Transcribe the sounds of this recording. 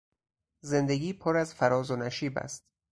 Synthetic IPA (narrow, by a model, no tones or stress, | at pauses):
ze̞nd̪e̞ɡiːpʰoɾæzfæɾɒːzonæʃiːbæ̰st̪̚